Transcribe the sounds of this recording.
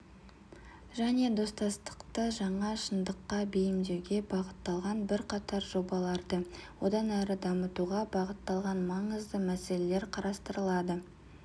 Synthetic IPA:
ʒæne̞d̪o̞st̪ɑst̪ə̥qt̪əʒɑɴɑʃənd̪əqːɑbejɪmd̪ewɡʲe̞bɑʁət̪ːɑlˠʁɑnbɪɾqʰɑt̪ɑɾʒo̞bɑlˠɑɾd̪əwo̞d̪ɑnæɾəd̪ɑmət̪uʁɑbɑʁət̪ːɑlˠʁɑnmɑɴəzd̪əmæse̞le̞le̞ɾqʰɑɾɑst̪əɾəlˠɑd̪ə

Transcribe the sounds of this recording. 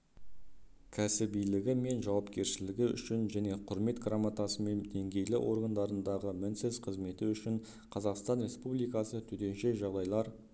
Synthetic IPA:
kʲʰæsɪbijlɪɡʲɪme̞nʒɑwɑpkʲe̞ɾʃɪlɪɡʲɪʏ̰ʃɪnʒæne̞qʰʊɾme̞t̪ɡramat̪asəme̞nd̪e̞ŋɡʲe̞jlɪ̰ʔo̞̰ɾɡand̪ɑɾənd̪ɑʁəmɪnsɪz̥qʰəzme̞t̪ɪʏʃɪɴ | qʰɑzɑqst̪ɑnɾe̞spublijkɑsət̪ʰʏt̪e̞nʃe̞ʒɑʁd̪ɑjlˠɑɾ

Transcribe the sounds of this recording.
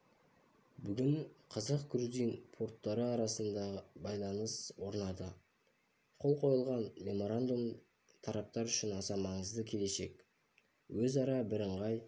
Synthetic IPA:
bʏɡʲɪɴqʰɑzɑq̚ɡɾuzijnpʰo̞ɾt̪ːɑɾəɑɾɑsənd̪ɑʁəbɑjlˠɑnəswo̞ɾnɑd̪ə | qʰo̞lˠqʰo̞jəlˠʁɑnme̞mo̞ɾand̪um | t̪ʰɑɾɑp̚t̪ɑɾʏʃɪnɑsɑmɑɴəzd̪əkʲʰe̞le̞ʃe̞k | wɵzɑɾɑbɪɾəɴʁɑj

